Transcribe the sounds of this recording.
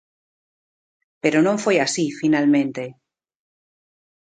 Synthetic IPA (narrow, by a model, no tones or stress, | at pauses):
peɾonõɱfojasifinalmẽnt̪e